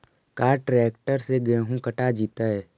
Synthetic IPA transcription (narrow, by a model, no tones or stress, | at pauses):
kaːɾʈɾɛːk̚ʈəɾseɡɛːɦũkɐʈad͡ʒiːt̪aɛ